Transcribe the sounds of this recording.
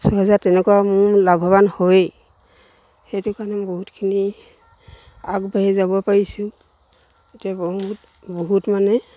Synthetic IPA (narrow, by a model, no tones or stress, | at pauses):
sɔɦɛzatɛnɛkwamʊ̃labʱaβanhoj | xejtʊkanɛ̃boɦutkʰini | akbaɦɛzabɔpaɹisʊ | etijabɦut | boɦutmanɛ